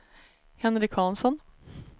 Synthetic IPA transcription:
hɛnɾɪkʰɑnsɔn

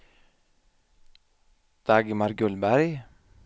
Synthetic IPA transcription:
d̪̥ɑːɡəmɑɾɡʉlbæɾɡ

